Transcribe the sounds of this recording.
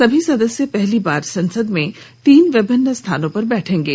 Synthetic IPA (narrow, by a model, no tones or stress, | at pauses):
sɐbʱisɐd̪əsjəpɛɦlibaːɾsɐ̃nsəd̪mẽ | t̪iːnʋɪbənːəst̪ʰaːnõpɐɾbɛːʈʰẽːŋɡeː